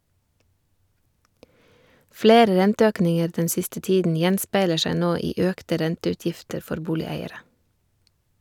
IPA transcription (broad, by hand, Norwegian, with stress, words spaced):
ˈfleːɾə ˈɾɛntəˌøːknɪŋəɾ ˈdɛn ˈsɪstə ˈtiːdn̩ ˈjɛnspæɪlə ˈʃæɪ ˈnoː ˈiː ˈœktə ˈɾɛntəʉˌtjɪftəɾ ˈfɔɾ ˈbuːlɪˌæɪəɾə